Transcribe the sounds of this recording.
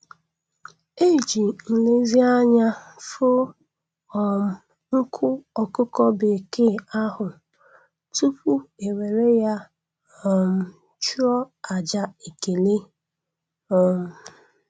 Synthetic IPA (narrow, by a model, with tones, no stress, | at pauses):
e˦˨d͡ʒi˨n̩˨le˦zi˦a˦ɲa˦fʊ˦ | ɔ˨m̩˨ | ŋ̩˦kʰʊ˦ɔ˨kʊ˦kɔ˦be˨ke˦a˦hʊ˨ | tu˦pu˦e˨we˨ɾe˦ja˦ | ɔ˨m̩˦ | t͡ʃu˦ɔ˦a˨d͡ʒa˦e˨ke˨le˦ | ɔ˨m̩˨